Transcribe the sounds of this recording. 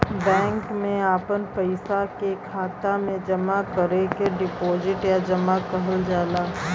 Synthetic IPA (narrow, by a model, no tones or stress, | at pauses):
bɛ̃ːŋkmẽaːpənpəɪsakekʰaːt̪amẽd͡ʒɐmakəɾekeɖɪpoːzɪʈjad͡ʒəmakəɦəld͡ʒaːlaː